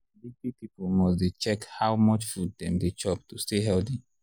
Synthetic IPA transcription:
dipipipolmɔsdet͡ʃɛkhaʊmʌt͡ʃfud̚dɛ̃mdet͡ʃɔp̚tusteɦɛldi

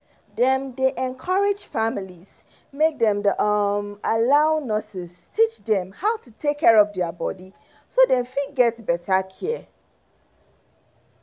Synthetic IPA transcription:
dɛ̃ndeʔɛ̃nkʰaɹɪd͡ʒfamiliz | mek̚dɛ̃mdʔmalaʊnɔsɪstʰit͡ʃdɛ̃mhaʊtʰutʰekʰːɛɹɔvdɛabɔdi | sodɛ̃mfiɡɛtbɛtʰakʰɛɛ

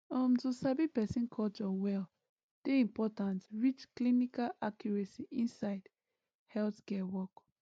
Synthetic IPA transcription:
ɔ̃mtusabipɛsĩnkʰɔlt͡ʃɔwɛl | d̥eĩmpɔtãntɹit͡ʃklinikalʔakjɔɹɛsiʔĩnsaɪd | hɛltkɛwɔk

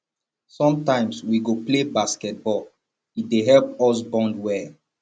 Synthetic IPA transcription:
sɔ̃mtãɪ̃mswiɡoplebaskɛt̚bɔl | it̚deɦɛlp̚ɔs̬bɔ̃ndwɛ

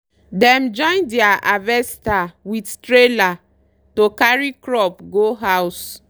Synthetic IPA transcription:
dɛ̃md͡ʒɔ̃ɪ̃ndɛaʔavɛstawidtɹela | tokaɹikɹɔpɡoɦaws

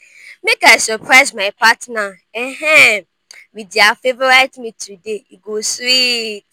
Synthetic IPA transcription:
mekaɪsɔpʰɹaɪsmãɪpʰatna | ɛɦɛ̃ | widafevɔɹaɪtmĩtʰudeiɡosit

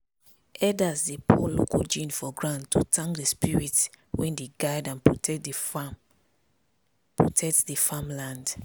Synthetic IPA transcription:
ɛdazdepʰɔlo̰kɔd͡ʒĩnfɔɡɹãntʰːutʰãŋkdespiɹitwɛ̃ndeɡaɪdãnpɔtɛ | pɹotʰɛk̚tsdefamlãnd

